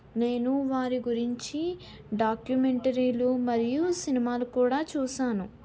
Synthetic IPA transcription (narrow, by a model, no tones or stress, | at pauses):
ne̞ːnuʋaːɾiɡuɾiɲt͡ʃi | ɖaːkjumeɳʈɐɾiːlumɐɾijusinimaːlukuːɽaːt͡ʃuːsaːnu